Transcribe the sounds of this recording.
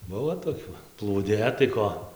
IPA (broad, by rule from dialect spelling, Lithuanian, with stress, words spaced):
ˈbʊʋoː toːˈkʲʊ plˠuːˈdʲeː tɐɪ ˈkoː